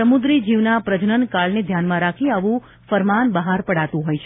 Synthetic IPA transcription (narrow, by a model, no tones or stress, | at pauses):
əmud̪ɾid͡ʒiʋnapɾəd͡ʒnənkaɭned̪ʱjanmãɾakʰiaʋũ | fəɾmanbəɦaɾpəɽat̪ũɦojt͡ʃʰe